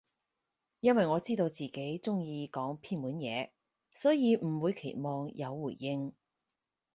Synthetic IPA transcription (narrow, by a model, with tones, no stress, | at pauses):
jɐ˥nwɐ˨jŋɔː˨˧t͡siː˥t̪o˧wt͡siː˨˩ke˨˥jt͡sʊ˥ŋjiː˧kɔː˨˥ŋpʰiː˥nmuː˨˥njɛ̰ː˨˧ | sɔː˨˥jiː˨˧m̩˨˩wuː˨˧jkʰe˨˩jmɔː˨˧ŋjʔɐ˨˧wːuː˨˩jːɪ˥ŋ